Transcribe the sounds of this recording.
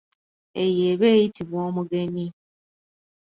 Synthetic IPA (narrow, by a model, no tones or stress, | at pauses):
ejeːβe̞ːjitiβwoːmuɡe̞ɲi